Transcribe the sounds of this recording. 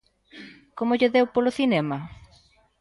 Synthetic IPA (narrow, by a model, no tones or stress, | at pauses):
komoʎeðewpoloθinɛmɐ